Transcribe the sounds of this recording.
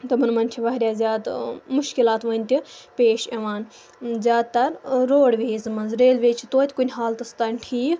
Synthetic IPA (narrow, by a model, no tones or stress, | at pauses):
t̪ɐmɨnmɐnʲt͡ʃʰiʋɐɦɾʲjaːzʲaːd̪mʊʃkilaːt̪ʋɐnʲt̪ʲipʲeːʃɐʋaːn | zʲjaːd̪̚t̪ɐɾɾoːɽʋʲeːzmɐnzɾeːlʋeːt͡ʃʰit̪oːt̪ʲkunʲɦaːlt̪ɐst̪ɐnʲʈʰiːk